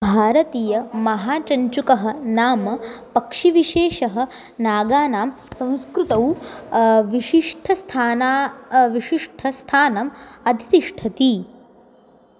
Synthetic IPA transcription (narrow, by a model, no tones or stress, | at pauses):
bʱaːɾɐt̪iːjɐmɐɦaːt͡ʃɐɲt͡ʃukɐɦɐ̆naːmɐpɐkʂiʋiʃeːʃɐɦɐ̆ | naːɡaːnaːm | sɐ̃w̃skɾut̪ɐw | ʋiʃiʂʈʰɐst̪ʰaːnaʋiʃiʂʈʰɐst̪ʰaːnɐmɐd̪ʱit̪iʂʈʰɐt̪i